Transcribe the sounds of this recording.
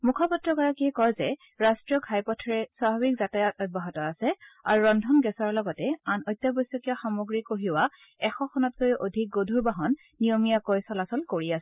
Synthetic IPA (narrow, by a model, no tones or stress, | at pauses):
mukʰɔpɔtɹɔkɔɹakijkɔjzɛ | ɹastɹijɔkʰajpɔtʰɔɹɛsabʱabikzatajɔtɔt̚baɦɔtɔasɛa̰ɹuɹɔndʱɔnɡɛsɔɹlɔɡɔtɛanɔjtːjɔbɔjsːɔkijɔxamoɡɹikoɦiwa | ɛxɔkʰɔnɔt̚kojʔodʱik̚ɡodʱuɹbaɦɔnː | ijomijakojsɔlasɔlkoɹiasɛ